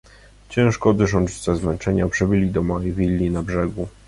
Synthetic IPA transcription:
t͡ɕɛ̃w̃ʂkɔd̪ɘʐɔnt͡ʂt͡ɕzɛzmɛnt͡ʂɛɲapʂɛbɘlʲid̪ɔmaivʲilʲːinabʐɛɡu

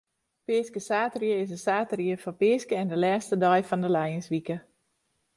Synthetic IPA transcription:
pɪːskəsaːtərjəɪs̬əsaːtəriəfɔpɪːskəɛndəlɛːstədɔjfɔndəlɛjənsʋikə

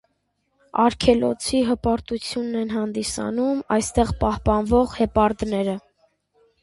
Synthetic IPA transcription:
ɑɾkʰɛlɔt͡sʰiɦəpɑɾt̪ut͡sʰjunːɛnɦɑnd̪isɑ̰numɑjst̪ɛʁpɑhpɑnvɔʁhɛpɑɾd̪nɛɾə

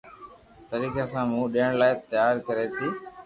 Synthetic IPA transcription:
t̪əɾiːkeːsãːmũːɗiːəɳlaːet̪jaːɾkəɾeːt̪ʰiː

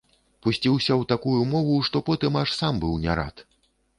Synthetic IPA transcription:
pusʲt͡sʲiwsʲɐwt̪akujumɔvuʂt̪ɔpɔt̪ɨmaʂsambɨwnʲa̰ɾa̰t̪

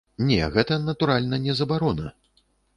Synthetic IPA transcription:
nʲɛ̰ɣɛt̪ɐnɐt̪uɾalʲnɐnʲɛzɐbaɾɔnɐ

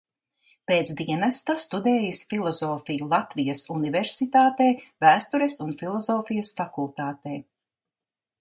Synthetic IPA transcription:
peːt̪sd̪iɛnast̪ast̪ud̪eːjisfilˠɔzoːfijulˠat̪vijɐsuniveɾsit̪aːt̪eːvæːst̪uɾesunfilˠɔzoːfijɐsfakulˠt̪aːt̪eː

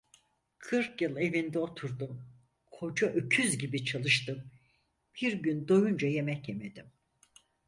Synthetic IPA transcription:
kʰɯɾkjɯlˠe̞vind̪ɛo̞t̪ʰuɾd̪um | kʰo̞d͡ʒaʔøcʰyzɟibit͡ʃʰalˠɯʃt̪ɯm | b̥iɾɟynd̪o̞jund͡ʒaje̞mɛcjeme̞d̪̥im

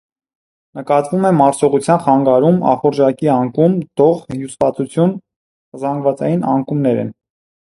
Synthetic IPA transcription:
nəkɑt̪vumɛmɑɾsɔʁut͡sʰjɑnχɑŋɡɑɾumɑ̰χɔɾd͡ʒɑkiɑŋkumd̪̥ɔʁjusvɑt͡sut͡sʰjun | zɑŋɡvɑt͡sɑjinɑ̰ŋkumnɛɾɛ̰n

